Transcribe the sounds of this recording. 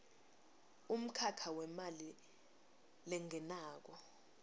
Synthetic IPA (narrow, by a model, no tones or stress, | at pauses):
um̩kʰakʰawɛmali | lɛŋʱɛnaːk̬ɔ